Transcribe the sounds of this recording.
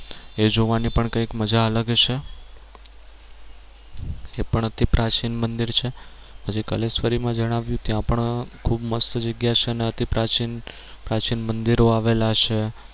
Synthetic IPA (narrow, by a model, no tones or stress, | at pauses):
ed͡ʒoʋanipəɳkəikməd͡ʒaələɡt͡ʃʰe | epəɳət̪ipɾat͡ʃinmənd̪iɾt͡ʃʰe | pəd͡ʒekəlesfəɾimãd͡ʒəɽ̃aʋjũt̪jãpəɳkʰubməst̪əd͡ʒəɡjat͡ʃʰeəneət̪ipɾat͡ʃin | pɾat͡ʃinmənd̪iɾoaʋelat͡ʃʰe